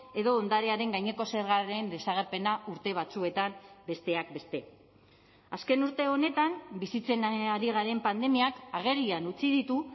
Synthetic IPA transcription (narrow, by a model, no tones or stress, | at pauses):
e̞ðo̞ːnd̪aɾe̞aɾe̞ŋɡajɲe̞ko̞seɾɣaɾe̞nd̪e̞saɣ̞e̞ɾpe̞nauɾt̪e̞β̞at͡sue̞t̪ambe̞st̪e̞ak̚be̞st̪e̞ | aske̞nuɾt̪e̞o̞ne̞t̪ambisit͡se̞naɾiɣ̞aɾe̞mpand̪e̞miakaɣ̞e̞ɾianut͡siðit̪u